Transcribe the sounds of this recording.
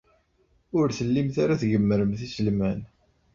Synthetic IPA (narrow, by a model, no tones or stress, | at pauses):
ʊɾθəlːimθaɾaθɡəmːəɾəmθisəlmæn